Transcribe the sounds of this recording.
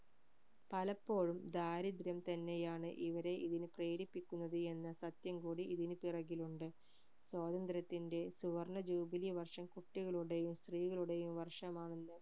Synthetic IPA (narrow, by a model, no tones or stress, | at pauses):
pɐlɐpːo̞ːɻumd̪aːɾid̪ɾjɐmt̪ɐnːe̞jaːɳɨʔiʋɐɾe̞ʔiðinɨpreːɾipːikʲːunːɐðɨe̞nːɐsɐt̪jɐmkuːɽiiðinɨpirɐɣiluɳɖɨ | swoːd̪ɐnd̪ɾɐt̪ːinde̞suʋɐrɳɐd͡ʑuːbilijɐʋɐrʂɐmkuʈːiɣɐɭuɽe̞jumst̪riːɣɐɭuɽe̞jumʋɐrʂɐmaːɳenːɨ